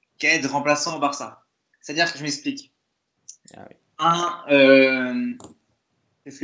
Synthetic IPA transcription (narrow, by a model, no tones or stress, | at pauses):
kɛd̪ʁɑ̃plasɑ̃paʁsa | sɛ̥t̪ad̪iʁkəʒəmɛksplik | ɛ̃ø | ɛs